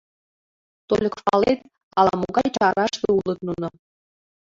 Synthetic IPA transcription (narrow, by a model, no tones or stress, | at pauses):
t̪olʲə̆kfɑlet̪ | ɑlˠɑ̰moɡɑjt͡ɕɑɾɑʃt̪oulˠɤ̆t̪nunŏ